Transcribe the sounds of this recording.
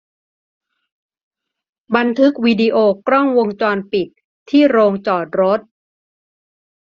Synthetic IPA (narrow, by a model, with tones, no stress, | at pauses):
ba˧nt̪ʰɯ˦˥k̚wiː˧di˧ʔoː˧kɾɔ˥˩ŋwo˧ŋt͡ɕɔː˧npi˨˩t̪̚ʰː | iː˥˩ɾoː˧ŋt͡ɕɔː˨˩t̪̚ɾo˦˥t̪̚